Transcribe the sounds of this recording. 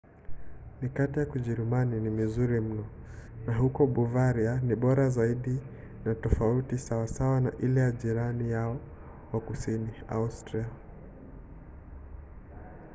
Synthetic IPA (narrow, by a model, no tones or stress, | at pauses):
nikatijakuʄɛɾimaninimizuɾim̩nɔ | naɦukɔɓuvaɾianiɓɔɾazaiɗi | natɔfautisawasawana̰ʔilɛjaʄiɾanijaɔ | wakusinia̰ustɾia